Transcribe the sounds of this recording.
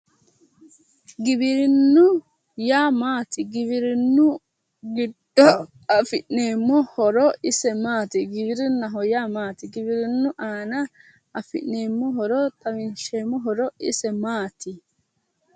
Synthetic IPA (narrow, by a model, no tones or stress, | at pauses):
ɡɪbɪɾɪnːʊ | jaːmaːt̪ɪɡɪβɪɾɪnːʊ | ɡɪd̪̥ːɔ | ɐfɪʔneːmːɔhɔɾɔɪsɛmaːt̪ɪɡɪbɪɾɪnɐɦɔjaːmaːt̪ɪɡɪbɪɾɪnːʊʔaːnɐ | ɐfɪ̰ʔneːmːɔɦɔɾɔt̪ɐmɪnʃeːmːɔɦɔɾɔɪ̰sɛmaːt̪ɪ